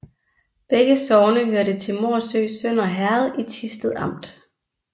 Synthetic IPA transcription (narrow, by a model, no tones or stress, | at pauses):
b̥eɡ̥əsɒʊnəɦøɐɾət͡sʰe̝lmo̝ɐsø̰ːsœn̰ɒɦæɐð̞ˠit͡sʰisd̥ð̞̩ˠɑ̈m̰d̥